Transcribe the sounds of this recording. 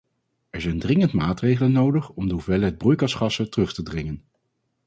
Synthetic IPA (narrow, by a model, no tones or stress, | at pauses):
ɛɹzɛjndrɪŋəntmaːtrejχələnːowdəχɔmdəɦuvɛləɦɛd̚brujkɑsχɑsətərɵχtədrɪŋən